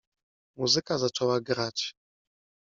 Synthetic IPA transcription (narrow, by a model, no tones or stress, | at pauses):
muzɘkazat͡ʂɛwaɡɾat͡ɕ